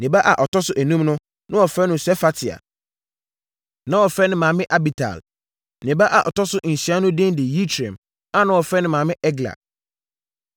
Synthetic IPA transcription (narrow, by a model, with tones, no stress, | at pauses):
nɪ̃˨ba˦ʔa˨ʔɔ˨tʰɔ˦sʊ˦ʔæ˨nũ˦mnʊ̃˦ | nʔʊ̃˦wɔ˨fɾɛ˦nʊ̃˨sɛ˦fa˦tʰɪ˨a̰˨ | nã˦wɔ˨fɛ˦nɪ̃˦mãː˨mɪ̃˦ʔa˦bi˨tʰa̰˨l | nɪ̃˨ba˦ʔa˨ʔɔ̰˨tɔ˦sʊ˦ʔn̩˨ɕi˨a˦nʊ̃˦dɪ̃˦ndɪ˨ji˦tʰɾɛ̰̃˨m | a˦nã˦wɔ˨fɛ˦nɪ̃˦mã˨mɪ̃˦ʔɛ˦ɡla̰˨